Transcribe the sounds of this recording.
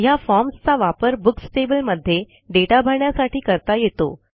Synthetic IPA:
jafɔɾmst͡saʋapəɾbuksʈebəlməd̪ʱːje | ɖeʈabʱaɳjasaʈʰiːkəɾt̪ajet̪o̰

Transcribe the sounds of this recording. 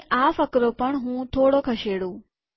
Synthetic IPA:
ʔaːfəkɾopəɳ̃ɦũːt̪ʰoːɽokʰɐʃeːɽõː

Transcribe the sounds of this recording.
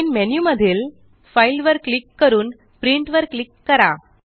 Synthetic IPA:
nmenjuməd̪ʱiːl | fajlʋəɾklikːəɾuːn | pɾiɳʈʋəɾklikːəɾa

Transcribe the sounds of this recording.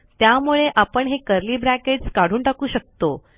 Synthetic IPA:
t̪jamuɭeʔapəɳɦekəɾliːbɾækeʈskaɽ̤uːɳʈakuːɕək̚t̪o

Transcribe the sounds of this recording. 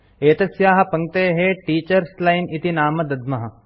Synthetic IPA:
eːt̪ɐsjaːɦɐ̆pɐŋ̚t̪eːɦeʈiːt͡ʃɐɾslajnit̪inaːmɐd̪ɐd̪mɐɦɐ̆

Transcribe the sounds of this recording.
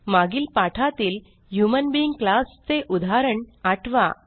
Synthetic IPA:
maɡiːlpaʈʰat̪iːl | ɦjumənbiiŋɡklast͡seʔud̪ʱaɾəɳaʈʰʋa̰

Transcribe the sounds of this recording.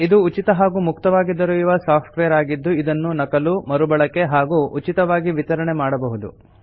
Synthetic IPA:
id̪uːt͡ʃit̪ɐɦaːɡumukt̪ɐʋaːɡid̪ːɐɾuiʋɐsaːpʰʈʋejɐɾaːɡid̪ːuid̪ɐnːunɐkɐlumɐɾubɐɭɐkːe̞ɦaːɡuʔut͡ʃit̪ɐʋaːɡiʋit̪ɐɾɐɳemaːɽɐbɐɦud̪ṵ

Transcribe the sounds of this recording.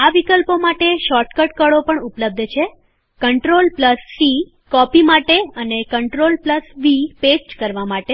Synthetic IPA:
aʋikəlpomaʈeʃɔɾʈkəʈkəɽopəɳupləb̚d̪ʱt͡ʃʰe | kəɳʈɾolpləsːi | kɔpimaʈeənekəɳʈɾolpləsʋipesʈkəɾʋamaʈe

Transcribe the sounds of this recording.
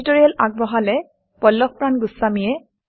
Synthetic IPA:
toɹijalaɡ̚bɔɦalɛ | pɔlːɔx̚pɹanɡʊsamijɛ

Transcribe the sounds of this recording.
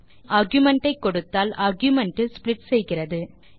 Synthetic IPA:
aːɾɡjʊmɛɳʈɐɪkːɔɽɯt̪ːaːlaːɾɡjʊmɛɳʈɯsplɪʈsɛjɣɪrɐðɯ

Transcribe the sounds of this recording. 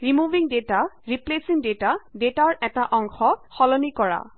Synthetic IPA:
ɹimubʱiŋdetaɹiplesiŋdetadetaɹɛtaʔɔŋxɔxɔlɔnikɔɹa̰

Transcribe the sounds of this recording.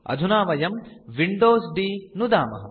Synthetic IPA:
ɐ̰d̪ʱunaːʋɐjɐmʋiɳɖoːsɖinud̪aːmɐ̰ɦɐ̰

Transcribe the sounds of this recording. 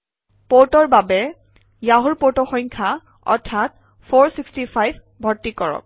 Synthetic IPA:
poɹtɔɹbabɛ | jaɦuɹpoɹtɔxɔjŋkʰa | ɔ̰ɹtʰːat | pʰoɹsikstipʰajbʱ | bʱɔɹtːikɔɹɔ̰k̚

